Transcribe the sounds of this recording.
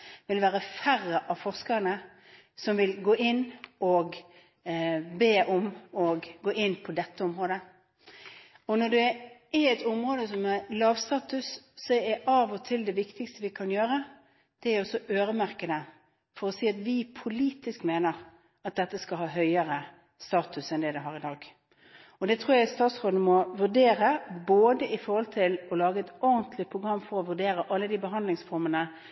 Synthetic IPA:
ʋɪlʋæːʁəfærːəʔɑʋfɔʁskəʁənə | sɔmʋɪlɡoːʔɪnːɔɡ | beːʔɔmɔɡɡoːʔɪnːpʰɔd̪ɛt̪ʰːəɔmʁoːd̪ə | ɔnɔd̪ɛɪɛt̪ʊmʁoːd̪əs̬ɔmælɑːʋst̪ɑːt̪ʉsːɔɛʔɑʋɔt̪ʰɪld̪ɛʋɪkt̪ɪkst̪əʋɪkʰɑnjøːɾə | d̪̥ɛæɾɔsɔʔøːɾəmæʁkəd̪ə | fɔɾɔsiːɑt̪ʋɪpʰʊliːt̪ɪskmeːnəʁ | ɑt̪̚d̪ɛt̪ːəskɑlɦɑːɦœʏəʁə | st̪ɑːt̪ʉsɛnd̪ɛd̪ɛɦɑːɾɪd̪ɑːɡ̥ | ɔd̪ɛt̪ʰʁuːɾjæɪst̪ɑːt̪sʁoːd̪n̩mɔʋʉʁɖeːɾəboːd̪əɪfɔɾhɔlt̪ʰɪlɔlɑːɡəɛt̪ɔʁnt̪ʰlɪpʰʁʊɡʁɑmːfɔɾɔʋʉɖeːɾəʔɑlːəd̪iːbəɦɑnd̪lɪŋsfɔʁmənə

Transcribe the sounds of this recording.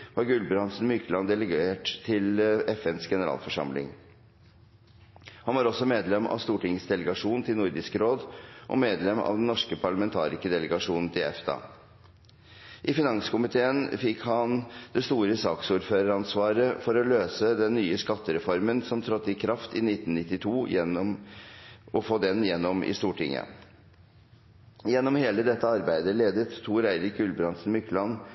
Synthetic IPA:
ʋɑɾɡʉlbɾɑnsn̩mʏklɑnd̪ɛləɡeːʈt̪ʰːɪlɛfɛnsɡɛnəɾɑ̰ːlfɔʂɑ̰mlɪ̰ŋ | hɑnʋɑɾɔsːɔmeːd̪lɛmɑ̰ʋst̪uːʈɪŋəsd̪ɛləɡɑʂuːnt̪ʰɪlnʊɾd̪ɪskəɾoːd̪ʔɔ̰meːd̪lɛmɑ̰ʋd̪ɛn̩ːɔʂkəpʰɑɭɑmɛnt̪ʰɑ̰ːɾɪskəd̪ɛləɡɑʂuːnn̩t̪ʰɪɛfd̪ɑ̰ː | ʔɪfɪnɑŋsə̥kʊmɪt̪ʰeːənfɪkhɑnd̪̥ɛst̪uːɾəsɑːksuːɾføːɾəɾɑnsʋɑːɾəfɔɾɔløːsəd̪ɛnːyːəskɑt̪ːəɾɛfɔɾmənsɔmt̪ʰɾɑt̪ːɪkʰɾɑft̪ɪnɪt̪ːnnɪt̪ːɪt̪ʰuːjɛnːɔm | ʔɔfoːd̪ɛnjɛnːɔmɪ̰st̪uːʈɪ̰ŋːə̰ | jɛnːɔmheːləd̪ɛt̪ːəɑɾbæɪd̪əleːd̪ət̪ʰːuːɾæɪɾɪkʉlbɾɑnsn̩mʏkːlɑn

